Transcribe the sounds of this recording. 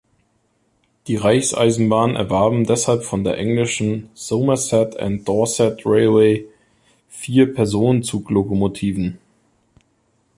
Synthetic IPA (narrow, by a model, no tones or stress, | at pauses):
d̥iːʁaɪçsʔa̰ɪzn̩baːnʔɛ̰ɐvaɐbm̩dɛshalpfɔndeːɐʔɛŋlɪʃn̩z̥oʊmɐsɛtʰa̰nt̚d̥ɔɐsɛtʁeɪlweɪ | fiːɐpʰɛɐzoːnənt͡suːklokomotʰiːvn̩